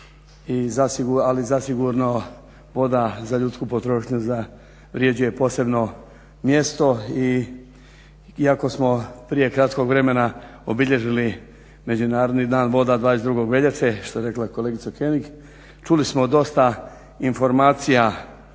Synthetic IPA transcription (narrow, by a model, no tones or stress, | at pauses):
izasiɡualizasiɡuɾno̞ | ʋo̞d̪azaʎut̪skupo̞t̪ɾo̞ːʃɲuza | ʋɾje̞d͡ʑuje̞po̞ːse̞bno̞ | mje̞st̪o̞i | iako̞smo̞pɾije̞kɾat̪ko̞ɡʋɾe̞me̞naobiʎe̞ʒili | me̞d͡ʑunaːɾo̞d̪nid̪aːnʋo̞d̪ad̪ʋaːd̪es̬d̪ɾuɡo̞ɡʋe̞ʎeseʃt̪ojeɾe̞klako̞leɡit̪sakenik | t͡ʃulismo̞d̪o̞st̪a | info̞ɾmaːt̪sija